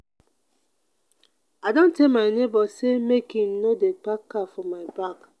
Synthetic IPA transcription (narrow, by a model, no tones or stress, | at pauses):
adon̩tekmaɪnebɔsemekim̩nodek͡pakːafɔmaɪbak